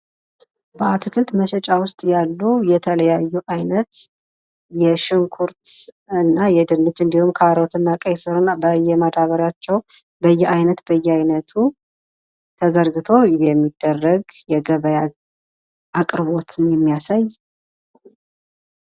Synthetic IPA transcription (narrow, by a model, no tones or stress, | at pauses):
bəat̪ʰɨkʰɨlt̪məʃɛt͡ʃʼawʊst̪ʼjalːujɛt̪ʰələjajːuʔajnət̪ | jɛʃɪŋkʰuɾt̪ | ɨnːajɛd̪ɨnːɨt͡ʃːɨnd̪ihumkʰaɾot̪ʰɨnːakʼəjsɨɾnːabəjɛmad̪aβəɾat͡ʃːɛw | bəjːɛajnət̪bəjːɛajnət̪ʰu | t̪ʰəzəɾɡɨt̪ʰo̞jɛmːid̪̥ːərːəɡjɛɡəβəja | ʔakʼɾɨβo̞t̪ʰɨmjɛmːijasaj